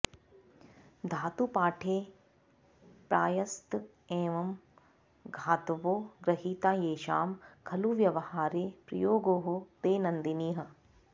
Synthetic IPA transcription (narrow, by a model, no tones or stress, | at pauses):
d̪ʱaːt̪upaːʈʰeː | pɾa̰ːjɐst̪ | eːʋɐm | ɡʱaːt̪ʋoːɡɾɐɦiːt̪aːjeːʃa̰ːmkʰɐluʋjɐʋɐhaːɾeːpɾɐjoːɡoːɦot̪eːnɐnd̪iniːɦɐ̆